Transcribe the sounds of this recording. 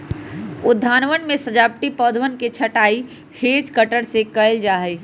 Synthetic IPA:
ud̪ʱːanʋənmesəd͡ʒap̚ʈipɔd̪ʱʋənket͡ʃʰəʈai | hed͡ʒkəʈəɽsekəld͡ʒaɦəj

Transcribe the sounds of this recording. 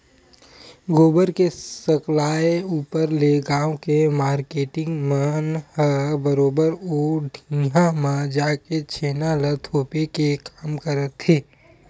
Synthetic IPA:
ɡoːbəɾkesəklaːeuːpəɾleɡaːõkemaːɾkeːʈɪ̃ŋɡmənhəbəɾoːbəɾoːɖʱĩːɦãmãd͡ʒaːket͡ʃʰeːnalət̪ʰoːpekekaːmkəɾət̪ɦeː

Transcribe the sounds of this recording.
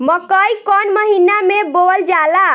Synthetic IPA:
məkəjkɔnməɦinamebold͡ʒala

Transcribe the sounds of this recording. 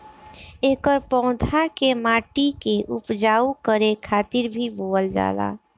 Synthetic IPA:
eːkəɾpɔ̃ʊ̃d̪ʱʰakemaːʈikeʔupd͡ʒaːukəɾekʰaːt̪ɪɾbʱiboːəld͡ʒa̰ːla̰ː

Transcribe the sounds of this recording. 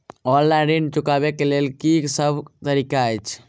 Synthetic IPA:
ɔlːaɾint͡ʃukabekelelkiksəbt̪əɾikaəjt͡ʃʰ

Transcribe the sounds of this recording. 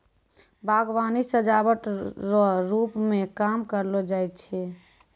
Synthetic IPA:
bʱaɡʋanisəd͡ʒabəʈɾɔɾupmẽkamkəɾlod͡ʒajt̪̚t͡ʃʰɛ

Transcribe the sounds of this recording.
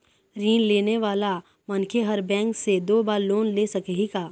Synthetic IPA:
ɾiːnleːneʋaːla | mɐnkʰeɦɐɾbɛ̃ːŋksed̪oːbaːɾloːnleːsɐkɦikaː

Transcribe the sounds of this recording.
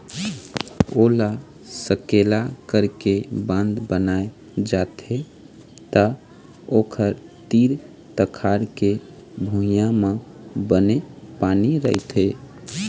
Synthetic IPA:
ola | səkelakəɾkebə̃nd̪bənae | d͡ʒat̪e | t̪ə | okʰəɾt̪iɾ | t̪əkʰaɾkebʱujãmẽbənepaniɾə̰ɦit̪ɦe

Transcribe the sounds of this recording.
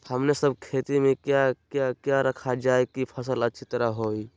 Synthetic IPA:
həmnesəb̚kʰeːt̪imẽkjakjakjaɾəkʰad͡ʒaːekipʰəs̬ələtːʃʰit̪əɾaɦoːi

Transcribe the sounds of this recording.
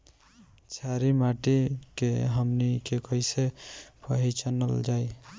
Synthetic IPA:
t͡ʃʰaɾimaʈikeɦəmnikekəjsepʰəɦit͡ʃənəld͡ʒaj

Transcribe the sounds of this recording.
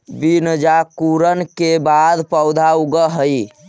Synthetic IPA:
bind͡ʒakuɾənkebad̪pəwd̪ʱauɡəɦəj

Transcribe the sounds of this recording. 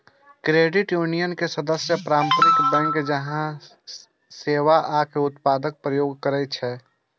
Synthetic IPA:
kɾeɖɪʈjunijənkesəd̪əsjəpɾaːmpɾɪkbɛ̃ŋkd͡ʒəɦã | seːʋaʔakeʊt̪paːd̪ək̚pɾəjoːɡkəɾɛt͡ʃʰɛ

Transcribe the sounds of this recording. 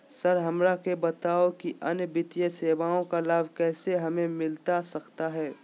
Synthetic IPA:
səɾɦɐmɾakebɐt̪aːokiʔɐnbɪt̪ijəseːbaːõkalaːbʱkɛːseɦɐmẽmɪlt̪asɐkt̪aɦɛː

